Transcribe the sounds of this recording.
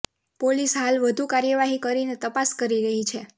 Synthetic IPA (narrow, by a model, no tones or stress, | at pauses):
polisɦalʋəd̪ʱukaɾjəʋaɦikəɾinet̪əpaskəɾiɾəɦit͡ʃʰe